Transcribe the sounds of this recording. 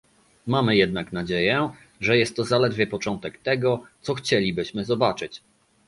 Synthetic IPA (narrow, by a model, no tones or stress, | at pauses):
mamɘjɛd̪̚naknad͡ʑejɛ | ʐɛjɛst̪ːɔzalɛd̪vʲjɛpɔt͡ʂɔnt̪ɛkt̪ɛɡɔt̪sɔxt͡ɕelʲibɘɕmɘzɔbat͡ʂɘt͡ɕ